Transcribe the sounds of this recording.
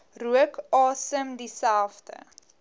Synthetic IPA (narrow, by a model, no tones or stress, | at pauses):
ruəkɑːsəmdisælˠfdə̰